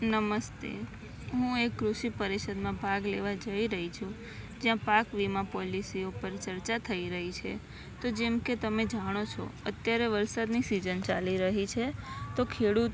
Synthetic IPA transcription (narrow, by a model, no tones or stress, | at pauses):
nəməst̪ḛ | ɦũekːɾuʃipəɾiʃəd̪mãbʱaɡleʋad͡ʒəiɾəɦit͡ʃʰũ | d͡ʒjãpakʋimãpɔlisiopəɾt͡ʃəɾt͡ʃat̪ʰəiɾəɦit͡ʃʰe | t̪od͡ʒemket̪əmed͡ʒaɽ̃ot͡ʃʰɔ̰ət̪jaɾeʋəɾsad̪nisid͡ʒənt͡ʃaliɾəɦit͡ʃʰet̪okʰeɽut̪